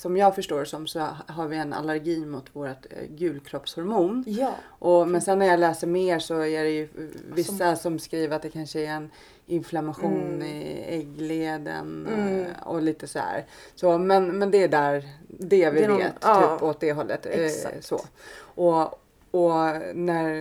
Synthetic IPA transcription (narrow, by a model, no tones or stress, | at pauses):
sɔmjɑːɡfœʂʈoːɾsɔmsɔɦaɾvɪɛna̰læɾɡiːmʊt̪ʰvoːɾat̪ɡʉ̟ːlkʰɾɔpshɔɾmuːnj | ʔɔmɛnsɛnːæɾjɑːlɛːsəɾmeːɾʂɔæɾɛjɵvɪssːasɔmskɾiːvəɾat̪̚d̪ɛkʰanʂəæɾɛn | ɪnflamaɧuːnɪɛɡleːd̪ə̰n | ɔ̰liːt̪əsɔd̪æ̰ːɾ | soːmɛnmɛnd̪ɛːd̪æɾd̪ɛvɪvḛːt̪t̪ːʰyːpɔt̪̚d̪ɛɦɔlːə̰t̪so̰ːʔɔ | ɔnæɾ